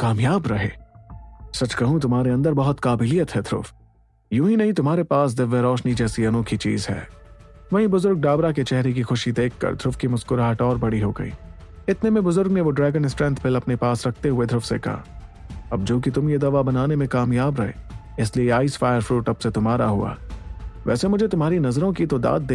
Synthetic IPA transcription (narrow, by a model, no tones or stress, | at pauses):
kaːmjaːbɾɐɦḛː | sɐt͡ʃkɐɦũt̪ʊmɦaːɾeɐ̃nd̪əɾbɐɦʊt̪kaːbɪlijət̪ɦɛd̪ʱɾʊ̰f | jũːɦinɐɦĩt̪ʊmɦaːɾepaːs̬d̪ɪʋːeɾɔːʃnid͡ʒɛːsiɐnoːkʰit͡ʃḭːzɦɛ̰ː | ʋɐɦĩbʊzʊɾɡ̚ɖaːbɾaket͡ʃɛɦɾek̬ixʊʃid̪eːkʰːɐ̰ɾd̪ʱɾʊfkimʊskʊɾaːɦəʈɔːɾbɐɽiɦoːɡɐ̰ḭːɪt̪nemẽbʊzʊɾɡneʋoɖɾɛːɡənɪsʈɾɛ̃nt̪ʰpʰɪlɐpnepaːsɾɐkʰt̪eɦʊed̪ʱɾʊfsekɐ̰ɦa̰ɐb̚d͡ʒoːkit̪ʊmjed̪ɐʋabɐnaːnemẽkaːmjaːbɾɐɦḛː | ɪslieaːisfaːɪjəɾfɾuːʈɐpset̪ʊmɦaːɾaɦʊa̰ːʋɛ̰ːsemʊd͡ʒʱet̪ʊmɦaːɾinɐzɾõkit̪od̪a̰ːd̪̚ːeː